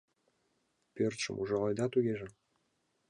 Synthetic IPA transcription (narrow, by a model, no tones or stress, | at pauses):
pʲørt͡ʃə̰̆mʔuʒɑlɑjd̪ɑt̪yɡʲeʒɘ̆